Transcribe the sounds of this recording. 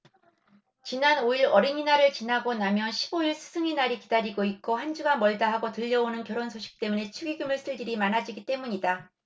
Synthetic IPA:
t͡ɕinanoiɾʌɾiɲinaɾɯɭt͡ɕinaɡonamjʌnɕʰi̥boiɭsʰɯ̥sʰɯŋinaɾikidaɾiɡoik͈ohand͡ʑuɡamʌɭdaɦaɡotɯʎːʌonɯnkjʌɾonsʰoɕʰi̥k̚t͈e̞mune̞t͡ɕʰuɡiɡɯmɯɭs͈ʰɯɭɡiɾimanad͡ʑiɡit͈e̞muɲida

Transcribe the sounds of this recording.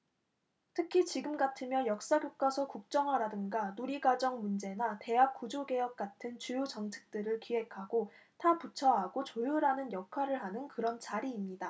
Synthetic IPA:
tʰɯkʰit͡ɕiɡɯmɡatʰɯmjʌjʌk̚s͈aɡjok̚k͈asʰʌkuk̚t͡ɕ͈ʌŋɦwaɾadɯŋɡanoɾiɡad͡ʑʌŋmund͡ʑe̞nate̞ɦak̚k͈ːud͡ʑoɡe̞jʌk̚k͈atʰɯnt͡ɕujud͡ʑʌŋt͡ɕʰɯ̥k̚t͈ɯɾɯɭkiɦe̞kʰaɡo | tʰaput͡ɕʰʌɦaɡot͡ɕojuɾanɯnjʌkʰaɾɯɭɦanɯnkɯɾʌnt͡ɕaɾiːmɲida

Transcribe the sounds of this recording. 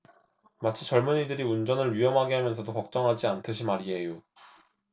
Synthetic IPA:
mat͡ɕʰit͡ɕʌɭmunidɯɾiund͡ʑʌnɯɭɥijʌmɦaɡeɦamjʌnsʰʌdokʌk̚t͡ɕ͈ʌŋɦad͡ʑiantʰɯɕ̬ʰimaɾiejo

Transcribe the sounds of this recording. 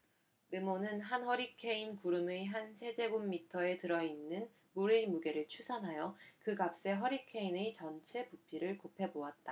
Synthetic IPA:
memonɯnɦanhʌɾikʰe̞inkuɾɯmeɦansʰe̞d͡ʑe̞ɡumːitʰʌe̞tɯɾʌinːɯn | muɾemuɡe̞ɾɯɭt͡ɕʰusʰanɦajʌkɯɡap̚s͈e̞ɦʌɾikʰe̞inet͡ɕʌnt͡ɕʰe̞pupʰiɾɯɭkopʰe̞boat̚t͈a

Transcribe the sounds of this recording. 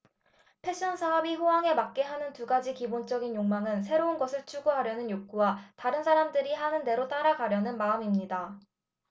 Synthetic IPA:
pʰe̞ɕ͈ʰʌnsʰaʌbiɸowaŋe̞mak̚k͈e̞ɦanɯntuɡad͡ʑikibont͡ɕ͈ʌɡinjoŋmaŋɯnsʰe̞ɾounɡʌsʰɯɭt͡ɕʰuɡuɦaɾjʌnɯnjok͈uwataɾɯnsʰaɾamdɯɾihanɯnde̞ɾot͈aɾaɡaɾjʌnɯnmaɯmimɲida

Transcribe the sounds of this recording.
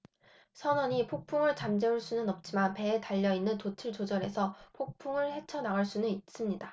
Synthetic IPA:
sʰʌnʌɲipʰok̚pʰuŋɯɭt͡ɕamd͡ʑeuɭs͈unɯnʌp̚t͡ɕ͈imanpe̞ːtaʎːʌinːɯntot͡ɕʰɯɭt͡ɕod͡ʑʌɾe̞sʰʌpʰok̚pʰuŋɯɭhe̞t͡ɕʰʌnaɯɭs͈unɯnit̚s͈ɯmɲida

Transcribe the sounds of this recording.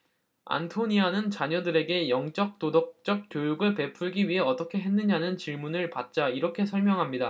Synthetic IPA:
a̰ntʰoɲianɯnt͡ɕaɲʌdɯɾe̞ɡe̞jʌŋt͡ɕ͈ʌk̚t͈odʌk̚t͡ɕ͈ʌk̚k͈jojuɡɯɭpe̞pʰuɭɡiɥiɦe̞ʌt͈ʌkʰe̞ɦe̞nːɯɲanɯnt͡ɕiɭmunɯɭpat̚t͡ɕ͈aiɾʌkʰe̞sʰʌɭmjʌŋɦamɲida

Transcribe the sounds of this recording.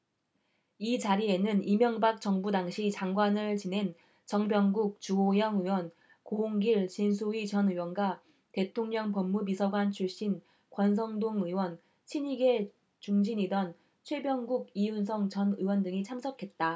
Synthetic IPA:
it͡ɕaɾie̞nɯnimjʌŋbak̚t͡ɕʌŋbudaŋɕʰit͡ɕaŋɡwanɯɭt͡ɕine̞n | t͡ɕʌŋbjʌŋɡuk̚t͡ɕuojʌŋɯwʌn | koɦoŋɡiɭt͡ɕinsʰuit͡ɕʌnɯwʌnɡa | te̞tʰoŋɲʌŋpʌmːub̬isʰʌɡwant͡ɕʰuɭɕ͈in | kwʌns̬ʰʌŋdoŋɯwʌn | t͡ɕʰiɲiɡe̞ | t͡ɕuŋd͡ʑiɲidʌn | t͡ɕʰwe̞bjʌŋɡuɡijuns̬ʰʌŋt͡ɕʌnɯwʌndɯŋit͡ɕʰamsʰʌkʰe̞t̚t͈a

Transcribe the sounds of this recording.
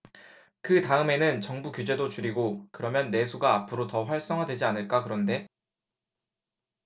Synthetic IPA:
kɯtaɯme̞nɯnt͡ɕʌŋbukjud͡ʑe̞dot͡ɕuɾiɡokɯɾʌmjʌnːe̞sʰuɡaːpʰɯɾotʌɸwaɭs͈ʌŋɦadwe̞d͡ʑianɯɭk͈akɯɾʌnde̞

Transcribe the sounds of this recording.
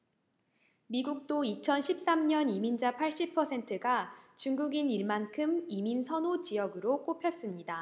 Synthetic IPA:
miɡuk̚t͈oit͡ɕʰʌnɕʰip̚s͈amɲʌnimind͡ʑapʰaɭɕ͈ipʰʌsʰe̞ntʰɯɡat͡ɕuŋɡuɡiniɭmankʰɯmiminsʰʌnot͡ɕijʌɡɯɾok͈opʰjʌs͈ɯmɲida

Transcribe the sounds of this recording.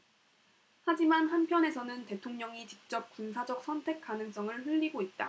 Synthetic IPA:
had͡ʑimanɦanpʰjʌne̞sʰʌnɯnte̞tʰoŋɲʌŋit͡ɕi̥k̚t͡ɕ͈ʌp̚k͈unsʰad͡ʑʌk̚s͈ʰʌntʰe̞k͈̚anɯŋs͈ʌŋɯɭɸɯʎːiɡoit̚t͈a

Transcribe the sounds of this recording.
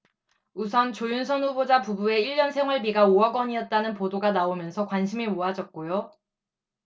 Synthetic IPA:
usʰʌnt͡ɕojunsʰʌnɸubod͡ʑapubue̞iʎːʌnsʰe̞ŋwaɭbiɡaoaɡwʌɲiʌt̚t͈anɯnpodoɡanaomjʌnsʰʌkwanɕʰimimoɦad͡ʑʌt̚k͈ojo

